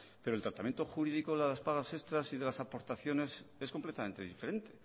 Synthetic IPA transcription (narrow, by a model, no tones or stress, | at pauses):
peɾolt̪ɾat̪amje̞nt̪o̞xuɾiðikoðelaðelaspaɣase̞st̪ɾasiðe̞lasapo̞ɾt̪aθjo̞ne̞se̞sko̞mplet̪amẽ̞nt̪e̞ðife̞ɾe̞nt̪e̞̥